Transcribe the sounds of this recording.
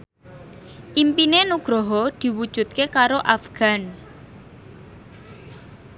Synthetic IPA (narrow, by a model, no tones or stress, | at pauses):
ʔimpinenuɡ̥ɾɔɦɔd̪̥i̤wud̥ʒ̥ṳt̪̚kekaɾoʔafɡ̥a̤n